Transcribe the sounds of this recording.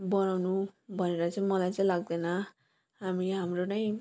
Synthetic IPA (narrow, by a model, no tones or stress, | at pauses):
bʌnawnubʱʌneɾʌt͡sʌĩmʌlajt͡sʌ̃ĩlaɡ̚d̪ʌnʌ | ɦamiɦamronʌj̃